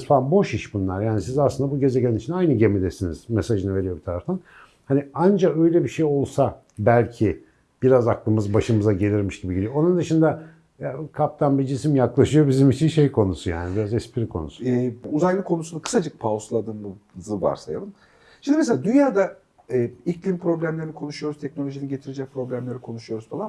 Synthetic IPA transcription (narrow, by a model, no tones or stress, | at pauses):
zfaanbo̞ʃiʃbunlˠaɾjaːnisizaslɯnd̪abuɟe̞zeclʲænit͡ʃʰinajnɯɟe̞mid̪esiniz̥mesaʒɯnɯve̞ɾijo̞bit̪ʰaɾaft̪ʰan | haniand͡ʒakø̞jlʲebiʃe̞jo̞lˠsa | bælʲcʰi | b̥iɾazaklˠɯmɯzbaʃɯmɯzaɟe̞lʲiɾmiʃd̪ibiɟilʲionund̪ɯʃɯnd̪a | jakʰap̚t̪ʰanbid͡ʒisimjaklˠaʃɯjo̞bizimit͡ʃʰinʃe̞jkʰo̞nusuja̰ːnibiɾazɛspʰiɾikʰo̞̰nṵsu̥uzajlˠɯkʰo̞nusunukʰɯ̥sad͡ʒɯk̚pʰaslˠad̪ɯːmuzɯva̰ɾsaja̰b̪ˠɯn | ʃimd̪imɛselʲaːd̪ynjaːd̪a | ɛːiclʲimpɾo̞blʲæmlʲeɾnikʰo̞nuʃujo̞ɾuzt̪ʰɛcnolʲo̞ʒiniɟe̞t̪ʰiɾed͡ʒɛc̚pʰɾo̞blʲæmlʲe̞ɾikʰo̞nuʃujo̞ɾuz̥falˠa